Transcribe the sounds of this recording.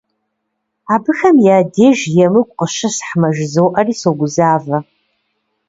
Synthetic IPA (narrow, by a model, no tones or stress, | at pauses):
aːbɨxɐmjaːdeːʒjɛmɨkʷʼqʼəʃɐsħmɐʒzɐwʔɐriːsoɡʷʊzaːvɐ